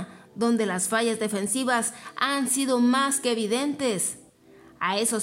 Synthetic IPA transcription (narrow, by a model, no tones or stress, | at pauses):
ðo̞nd̪e̞lasfaʝazðe̞fe̞nsiβasansiðo̞maskeːβiðe̞nt̪e̞s | ae̞so